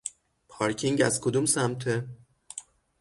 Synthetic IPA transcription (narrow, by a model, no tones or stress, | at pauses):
pʰɒːɾcʰiŋɟæzkʰod̪umsæmt̪ʰe